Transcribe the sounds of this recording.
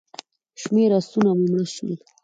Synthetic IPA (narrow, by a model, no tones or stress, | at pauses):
ʃmeɾasunamemɽəʃə̰l